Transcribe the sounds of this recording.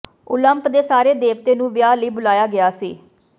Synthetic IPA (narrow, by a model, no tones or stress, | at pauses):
ʊləmpd̪eːsaːɾeːd̪eːʋt̪eːnũːʋjaːləiːbʊlaːjaːɡɪaːsḭː